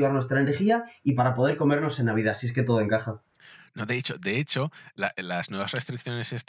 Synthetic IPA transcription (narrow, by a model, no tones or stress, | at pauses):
aɾnwe̞st̪ɾaene̞ɾxiaipaɾapo̞ð̞e̞ɾko̞me̞ɾno̞se̞naβ̞iðasie̞ske̞t̪o̞ð̞oe̞ŋkaxa | no̞ðe̞et͡ʃod̪e̞et͡ʃo̞lalaznwe̞βasre̞st̪ɾik̚θjo̞ne̞ses